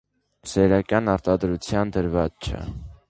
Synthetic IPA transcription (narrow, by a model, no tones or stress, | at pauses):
sɛɾɑkjɑnɑɾt̪ɑd̪ɾut͡sʰjɑnd̪əɾvɑt͡st͡ʃʰə̰